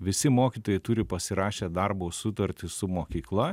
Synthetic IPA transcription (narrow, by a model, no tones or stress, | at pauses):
ʋʲɪsʲɪmoːkʲiːt̪oːjɛɪt̪ʊɾʲɪpɐsʲɪɾɑːʃʲeːd̪ɐɾboːsʊt̪ɐɾʲt̪ʲɪsʊmoːkʲiːklˠɐ